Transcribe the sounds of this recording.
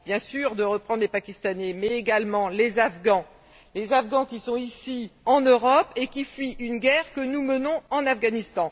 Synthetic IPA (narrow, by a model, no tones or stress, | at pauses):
bjɛ̃syʁd̪əʁəpχɑ̃d̪ʁlepakʲist̪anɛmɛːɡalmɑ̃lezafɡɑ̃ | lezafɡɑ̃kʲisɔ̃isiɑ̃nøʁɔpekʲifɥiʔynɡʲɛʁkənumənɔ̃ɑ̃nafɡanist̪ɑ̃